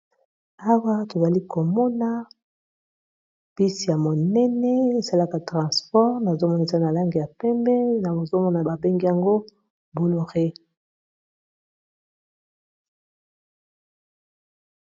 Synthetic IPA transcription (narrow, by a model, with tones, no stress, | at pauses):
a˦wa˦to˨za˨li˦ko˨mɔ˦na˦ | pi˦si˨ja˨mo˨nɛ˦nɛ˦e˨sa˦la˦ka˨tʁɑ̃˨spɔ˦ʁna˨zo˦mɔ˦na˨e˨za˦na˨la˦ŋɡi˨ja˨pɛ˦mbɛ˦na˨bo˨zo˦mɔ˦na˨ba˨be˦ŋɡi˦ja˨ŋɡo˦ | bo˨lo˨ʁe˦